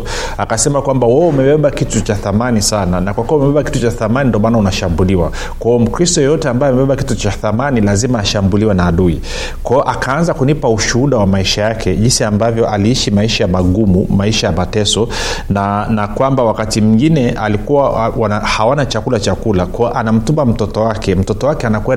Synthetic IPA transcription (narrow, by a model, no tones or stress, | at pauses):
akasɛmakwambawaumɛwɛɓakitut͡ʃaθamanisananakwakuɔumɛɓɛbaki̥tut͡ʃaθamanindɔmanaunaʃambuliwa | kwaɔm̩kɾistɔjɛjɔtɛambajɔamɛɓɛɓakitut͡ʃaθamanilazimaːʃambuliwɛnaːɗui | kwaɔʔakaanzakunipauʃuuɗawamaiʃajakʰɛʄinsiambavjɔʔaliiʃimaiʃajamaɠumumaiʃajamatɛsɔnanakwambawakatim̩ŋɡinɛalikuwawanahawanat͡ʃakulat͡ʃakulakwaɔʔanam̩tumbam̩tɔtɔwakɛm̩tɔtɔwakɛanakwɛn